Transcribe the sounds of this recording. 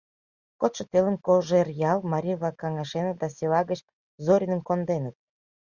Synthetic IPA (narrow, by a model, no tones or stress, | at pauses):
kot̪ʃə̆t̪elənkolʒerjɑlmɑɾʲijvlɑkːɑŋɑʃenət̪̚d̪ɑsʲelɑɣət͡ɕ | zoɾʲinənkond̪enət̪̚